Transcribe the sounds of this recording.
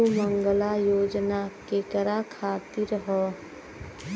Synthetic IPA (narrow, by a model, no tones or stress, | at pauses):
mə̃ŋɡəlajoːd͡ʒnakekəɾakʰaːt̪iɾɦɔ